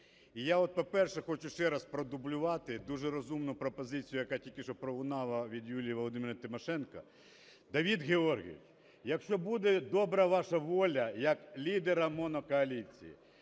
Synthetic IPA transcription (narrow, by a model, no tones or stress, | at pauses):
ijaɔt̪̚pɔpɛrʃɛxɔt͡ʃʊʃt͡ʃɛɾɐspɾɔd̪ʊblʲʊʋɑt̪ɪd̪uʒɛɾɔzumnʊpɾɔpɔzɪt͡sʲijʊjɐkatʲilʲkʲɪʃɔpɾɔɦʊnɑlˠɐʋʲid̪julʲijiʋɔlˠɔd̪ɪmeɾɐt̪ɪmɔʃɛnkɐ | d̪ɐʋʲid̪ɣeɔrɣʲḭiw | jɐkʃt͡ʃɔbud̪ɛd̪ɔbɾɐʋɑʃɐʋɔlʲɐjɐklʲid̪eɾɐmɔnɔkɔɐlʲit͡sʲḭjḭ